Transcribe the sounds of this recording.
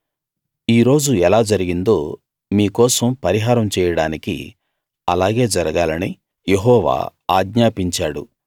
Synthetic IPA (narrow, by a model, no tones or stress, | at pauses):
iːɾo̞ːd͡ʒuɛlaːd͡ʒɐɾiɡind̪o̞ː | miːkɔːsɐmpɐɾiɦaːɾɐmt͡ʃɛːjɐɽaːnikḭ | ɐlaːɡe̞ːd͡ʒɐɾɐɡaːlɐni | je̞ɦɔːʋa̰ːa̰ːɡɲaːpiɲt͡ʃaːɽṵ